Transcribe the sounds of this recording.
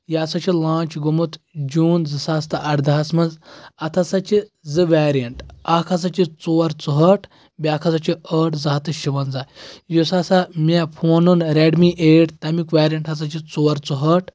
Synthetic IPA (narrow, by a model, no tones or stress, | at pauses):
jaːsɐt͡ʃʰilãːt͡ʃɡumut̪d͡ʒuːnzɨsaːst̪ɨʔɐɽd̪aːsmɐnzɐt̪ʰɐsɐt͡ʃizɨʋaːɾijɐɳʈaːkʰɐsɐt͡ʃit͡soːɾt͡suɦəʈʰ | bʲaːkʰɐzɐt͡ʃʰiəːʈʰzaːt̪ɨʃiʋɐnzaːjusaːsamʲepʰoːnunɾeɖmiʔeːʈt̪ɐmikʋaːɾijɐɳʈʰɐsɐt͡ʃit͡soːɾt͡suɦəʈ̚ʰ